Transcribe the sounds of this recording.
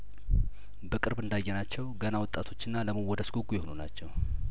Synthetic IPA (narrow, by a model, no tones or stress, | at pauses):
bəkʼɨɾbɨnd̪ajːɛnat͡ʃːɛwɡənawɔt̪ʼat̪ʰo̞t͡ʃːɨnːaləməwːɔd̪əsɡuɡːujɪhonuna̰t͡ʃːɛw